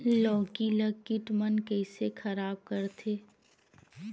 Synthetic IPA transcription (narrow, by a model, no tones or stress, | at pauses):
lɔːkiləɡkiʈmənkɛːsekʰɐɾaːb̚kɐɾt̪ʰeː